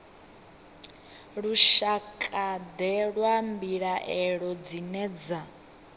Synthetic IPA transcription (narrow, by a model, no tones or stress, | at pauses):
ɺuʃakʼad̪ɛɺwambiɺaʔɛɺɔd͡zinɛːd͡za